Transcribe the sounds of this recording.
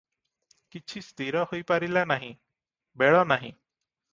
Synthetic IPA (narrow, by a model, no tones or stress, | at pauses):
kit͡ʃʰist̪iɾɔhojpaɾilanaɦĩ | beɭɔnaɦḭ̃